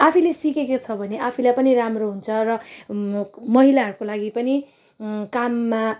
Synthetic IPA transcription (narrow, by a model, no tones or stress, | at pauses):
apʰilesikekot͡sʰʌbʱʌneʔapʰilajpʌniɾamroɦunt͡sʰʌrʌ | mʌɦilaɦʌɾukolaɡipʌni | kamːa